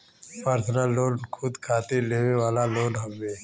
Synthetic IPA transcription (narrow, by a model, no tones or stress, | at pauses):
paɾt̪ʰənaloːnkʰʊd̪kʰaːt̪eleːʋeʋaːlaloːnɦɐmːeː